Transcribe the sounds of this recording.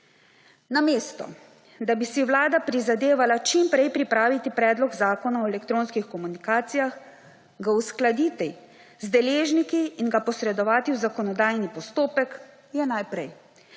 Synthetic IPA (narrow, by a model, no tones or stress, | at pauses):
nameːst̪ɔ̰ | d̪abisiwlaːd̪apɾizad̪eːʋalat͡ʃimpɾɛjpɾipɾaːʋit̪ipɾɛːd̪lɔɡzaːkɔnaɔɛlɛkt̪ɾoːnskixkɔmunikaːt̪sijax | ɡausklad̪iːt̪ɛ | zd̪ɛleːʒnikiːnɡapɔsɾɛd̪ɔʋaːt̪iwzakɔnɔd̪aːjnipɔst̪oːpɛk | jɛnajpɾɛj